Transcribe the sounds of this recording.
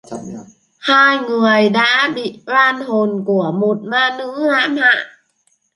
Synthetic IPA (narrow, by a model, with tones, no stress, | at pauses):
haː˥˩jŋɯ˨˩əjda̰ː˧˥bḭ˧˨ʔwaː˧˩nho˨˩nku˧˩əmu˨˩t̪̚maː˧˩nɯ˧˥ŋlaː˧˥˨ma˧˥ʔ